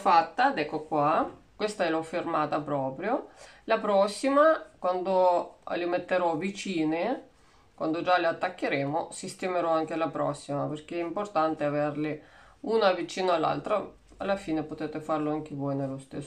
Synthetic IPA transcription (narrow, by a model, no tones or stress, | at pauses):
fat̪ːad̪ɛkːokwakwest̪aɛlofɪrmaːt̪apɾɔːpɾjolapɾɔsːimakwand̪olɪmet̪ːeɾɔvit͡ʃiːne | kwa̰nd̪od͡ʒalɪat̪ːakːeɾeːmosist̪emeɾɔaŋk̟elapɾɔ̰sːimaperk̟eɛimport̪ant̪eaverlɪ | uːnavit͡ʃiːnoalːa̰lt̪ɾa | alːafiːnepot̪eːt̪efarloaŋk̟ivɔːjnelost̪esː